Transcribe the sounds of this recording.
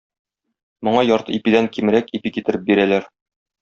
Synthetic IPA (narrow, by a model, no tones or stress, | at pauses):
mŏɴɑjɒɾt̪ɤipid̪æŋkimɾækipikit̪ɘ̆ɾɘp̚biɾælæɾ